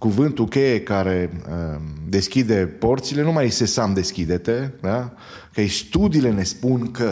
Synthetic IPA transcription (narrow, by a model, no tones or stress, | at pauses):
kuvɨnt̪ukʲejekaɾe̞ | d̪e̞skʲid̪e̞po̞rt̪sile̞numajse̞samd̪e̞skʲid̪e̞t̪e̞d̪a | kest̪ud̪iːle̞ne̞spunkə